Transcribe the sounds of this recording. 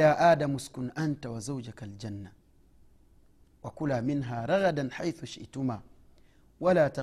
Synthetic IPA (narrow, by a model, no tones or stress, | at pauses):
jaːʔaːdamʊskʊnʔantawazawd͡ʒakald͡ʒanːa | wakʊlaːmɪnɦaːɾˤɑɣadanħajθʊʃɪ̰ʔtʊmaː | walaːta